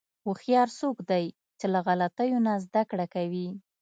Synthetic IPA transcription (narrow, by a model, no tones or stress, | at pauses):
uxjɑɾsokd̪aj | t͡ʃelaɣalat̪əjonazd̪akɽakawi